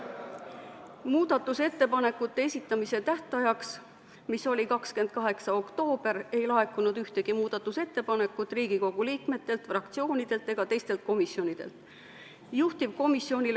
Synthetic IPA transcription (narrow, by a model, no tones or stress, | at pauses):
muːd̪̥ɑt̪ːˑuse̞t̪ːe̞pɑne̞kːˑut̪ːeesʲit̪ːˑɑmise̞t̪æht̪ˑɑjɑks | miso̞lʲikɑkske̞nd̪̥̚kɑɦe̞ksɑo̞kt̪o̞ːb̥e̞ɾe̞jlɑɦe̞kːˑunud̪yht̪e̞ɡ̥imuːd̪̥ɑt̪ːˑuse̞t̪ːe̞pɑne̞kːˑut̪ːˑriːɡ̥iko̞ɡ̥uliːkme̞t̪ːe̞lt̪frɑkt̪sio̞ːnid̪̥e̞lt̪ːˑe̞ɡ̥ɑt̪e̞jst̪e̞lt̪̚ko̞misjo̞nid̪̥e̞̰lt̪ | juht̪ib̥̚ko̞misːio̞nʲil